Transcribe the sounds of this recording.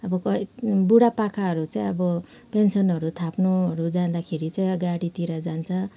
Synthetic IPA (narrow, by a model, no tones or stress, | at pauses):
ʌbʌkʌbuɽapakʰaɦʌɾut͡saĩʌbʌ | pensʌnɦʌɾut̪ʰapnuʌɾud͡zand̪akʰeɾit͡saĩɡaɽit̪iɾʌd͡zant͡sʰʌ